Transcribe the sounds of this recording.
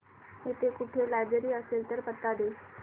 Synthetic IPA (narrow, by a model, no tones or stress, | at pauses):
et̪ekʊʈʰelajbɾeɾiəselt̪əɾpət̪ːad̪e